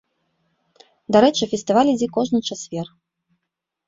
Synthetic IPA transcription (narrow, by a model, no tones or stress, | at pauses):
d̪aɾɛt͡ʂɨfʲɛsʲt̪ɨvalʲid͡zʲikɔʐnɨt͡ʂasvʲɛr